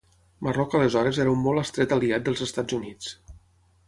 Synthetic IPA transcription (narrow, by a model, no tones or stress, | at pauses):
mərɔkələzɔɾəzɛɾəumːɔlˠəst̪ɾɛt̪əliat̪̚d̪əlˠzəst̪ad͡zunit͡s